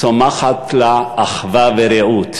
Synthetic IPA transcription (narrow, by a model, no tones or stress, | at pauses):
omaχat̪laːχvaveɾeut̪